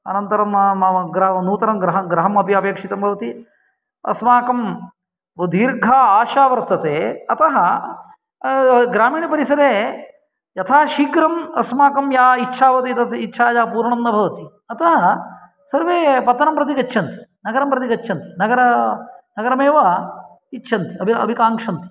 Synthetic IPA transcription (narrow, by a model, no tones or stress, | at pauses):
ɐ̰nɐnt̪ɐɾɐmɡɾɐnuːt̪ɐɾɐmɡɾɐɦɐɡɾɐɦɐmɐpjɐpeːkʂit̪ɐmbʱɐʋɐt̪i | ɐ̰smaːkɐm | ʋɐd̪ʱiːɾɡʱaːaːʃaːʋɐɾt̪ɐt̪eːɐt̪ɐɦɐ | ɡɾaːmiːɳipɐɾisɐɾeː | jɐt̪ʰaːʃiɡɾɐmɐsmaːkɐmjaːitːʃʰaːʋɐt̪it̪ɐt̪itːʃʰaːd͡ʒaːpuːɾɳɐnd̪ɐbʱɐʋɐt̪i | ɐt̪ɐɦɐ | sɐɾʋeːpɐt̪ːɐnɐmpɾɐt̪ikɐt͡ʃːʃʰɐnt̪i̥nɐɡɐɾɐmpɾɐt̪ikɐt͡ʃːʃʰɐnt̪inɐɡɐɾɐnɐɡɐɾɐmeːʋɐ | itːʃʰɐnt̪iɐbʱɐ̰bʱikaːŋkʂɐnt̪i̥